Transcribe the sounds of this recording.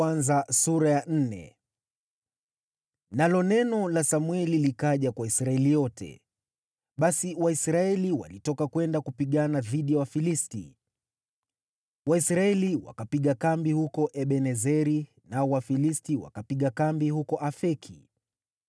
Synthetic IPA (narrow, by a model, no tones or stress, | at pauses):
anzasuɾajan̩nɛ̰ | nalɔnɛnɔlasamwɛlilikaʄakwaisɾaɛlijɔtʰɛ̰ | ɓasiwaisɾaɛliwa̰litɔkakwɛndakupiɠanaðiɗijawafilistḭ | waisɾaɛliwa̰kapiɠakambihukɔʔɛɓɛnɛzɛɾi | naɔwafilistiwa̰kapiɠakambihukɔʔafɛkʰḭ